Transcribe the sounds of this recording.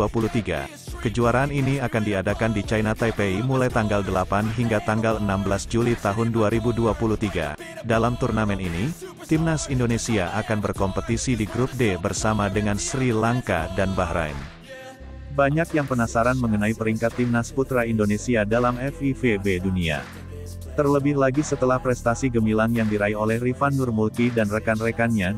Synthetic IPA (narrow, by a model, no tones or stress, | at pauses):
apulut̪iɡa̰ | kəd͡ʒuaɾaːniniakandiadakandit͡ʃajnat̪apeimulajt̪aŋɡaldəlapanɦiŋɡat̪aŋɡalənambəlasd͡ʒulit̪aɦʊnduaɾibuduapuluht̪iɡa̰ | dalamt̪urnamɛnini | t̪imnasindonesiaʔakanbərkɔmpət̪isidiɡɾup̚debərsamadəŋansɾilaŋka̰danbahɾa̰jn | baɲakjaŋpənasaɾanməŋənaipəɾiŋkat̪ːimnasput̪ɾaindonesiadalamɛfifebedunia̰ | t̪ərləbɪhlaɡisət̪əlahpɾɛst̪asiɡəmilaŋjaŋdiɾaiolɛhrifanːurmulk̪idanrəkanrekanɲa